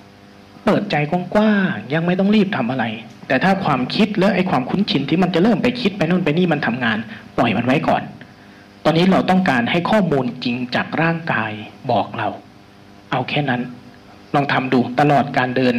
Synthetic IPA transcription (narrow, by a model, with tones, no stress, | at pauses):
pɤː˨˩t̪̚t͡ɕa˧jkɔ˧˩nkwaː˥˩ŋja˧ŋma˥˩jt̪ɔ˥˩˧ɾiː˥˩p̚t̪ʰa˧mʔa˧ɾa˧jt̪ɛː˨˩t̪ʰaː˥˩kʰwaː˧mkʰi˦˥t̪̚lɛ˦˥ʔa˧˩jkʰwaː˧mkʰu˦˥nt͡ɕʰi˧nt̪ʰiː˥˩ma˧nt͡ɕa˨˩ʔɾɤː˥˩mpa˧jkʰi˦˥t̪̚pa˧jnɔ˥˩˨npa˧jniː˥˩ma˧nt̪ʰa˧mŋaː˧npɔ˨˩jma˧nwa˦˥jkɔ̰ː˨˩n | t̪ɔː˧nːiː˦˥˩ɾa˧wt̪ɔ˥˩ŋkaː˧nha˥˩jkʰɔː˥˩muː˧nt͡ɕi˧ŋt͡ɕa̰ː˨˩k̚ɾaː˥˩ŋkaː˧jbɔː˨˩k̚ɾa˧w | ʔa˧wkʰɛː˥˩na˦˥n | lɔː˧ŋt̪ʰa˧mduː˧t̪a˧lɔː˨˩t̪̚kaː˧ndɤː˧n